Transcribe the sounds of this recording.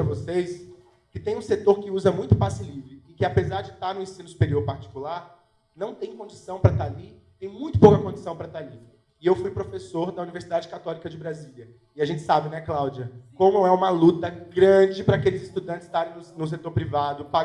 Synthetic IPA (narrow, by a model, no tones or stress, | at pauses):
ɾɐvosejs | kɪt̪ẽj̃ũset̪oɾkɪuzɐmũj̃t̪ʊpasɪlivɾɪːkɪapezaɾd͡ʒɪt̪aɾnʊẽsĩnʊsu̥peɾioɾpaɾt͡ʃi̥kulaɾ | nɐ̃w̃t̪ẽj̃kõd͡ʒisɐ̃w̃pɾɐt̪aalit̪ẽj̃mũj̃t̪ʊ̥powkɐkõd͡ʒisɐ̃w̃pɾɐt̪aali | ɪewfujpɾofesoɾd̪ɐuniveɾsid̪ad͡ʒɪkat̪ɔlikɐd͡ʒɪbɾazilʲɐ | ɪaʒẽnt͡ʃɪ̥sabɪnɛklawd͡ʒiɐkõmʊɛũmɐlut̪ɐɡɾɐ̃d͡ʒɪpɾɐakelɪzɪst̪ud̪ɐ̃nt͡ʃɪ̥st̪aɾẽj̃nʊnʊs̬et̪oɾpɾivad̪ʊpa